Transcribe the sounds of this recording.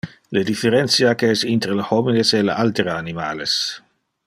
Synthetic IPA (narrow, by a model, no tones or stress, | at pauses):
ləd̪ifeɾɛnt̪sjakəɛsint̪ɾələhɔmineseləʔalt̪eɾaanimaːles